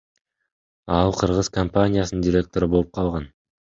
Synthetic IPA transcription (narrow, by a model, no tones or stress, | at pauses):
ɑlˠqʰɯɾʁɯz̥kɐmpanʲɪjasənnd̪ʲiɾʲe̞k̚t̪o̞ɾɯboup̚qʰɑlˠʁɑn